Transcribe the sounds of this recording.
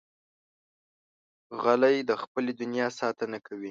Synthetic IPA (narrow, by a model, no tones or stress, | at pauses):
ɣalajd̪əxpəled̪ʊnjɑsɑt̪ənakʰawi